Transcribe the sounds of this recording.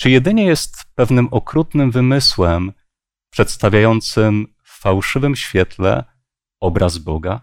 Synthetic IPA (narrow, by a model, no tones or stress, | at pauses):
t͡ʂɘjɛd̪ɘɲɛjɛst̪pɛvnɘmʔɔkɾut̪nɘmvɘmɘswɛm | pʂɛt̪st̪avʲjajɔnt̪sɘm | fːawʂɘvɘmɕfʲjɛt̪lɛ̰ | ɔbɾʔazbɔɡa